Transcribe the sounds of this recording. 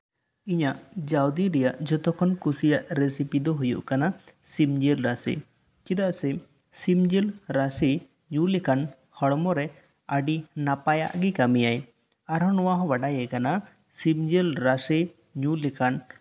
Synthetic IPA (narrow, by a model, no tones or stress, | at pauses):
iɲaʔd͡ʒawd̪iɾɛjaʔd͡ʒɔt̪ɔkʰɔnkusijaʔɾesipid̪ɔɦujṵʔkanasimd͡ʒilɾasḭ | kid̪aʔsɛ | simd͡ʒilɾasi | ɲũlɛkan | hɔɽmɔɾɛ | aɖinapaja̰ʔɡikamijaj | aɾɦɔ̃nɔwaɦɔ̃baɖajɛkana | sibd͡ʒilɾasi | ɲũlɛkʰan